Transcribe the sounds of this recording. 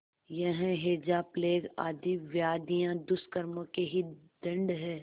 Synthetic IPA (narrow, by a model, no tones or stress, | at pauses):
jɐɦɛ̃ɦeːd͡ʒaːpleːɡa̰ːd̪iʋjaːd̪ijãd̪ʊskəɾmõkeɦid̪ɐ̃ɳɖɦɛː